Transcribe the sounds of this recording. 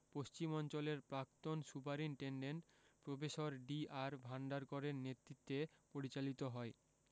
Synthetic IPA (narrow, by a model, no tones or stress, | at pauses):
post͡ɕimɔnt͡ɕoleɾpɾak̚t̪onsupaɾinʈeɳɖenʈpɾobeʃoɾɖiaɾbʱaɳɖaɾkɔɾeɾnet̪ɾit̪ːepoɾit͡ɕalit̪oɦɔe